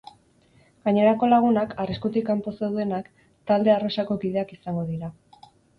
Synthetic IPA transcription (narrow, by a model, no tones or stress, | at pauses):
ɡaɲe̞ɾako̞laɣ̞unakʰariskut̪ikamposewðe̞nak | t̪ald̪e̞arosako̞kið̞e̞akisaŋɡo̞ð̞iɾa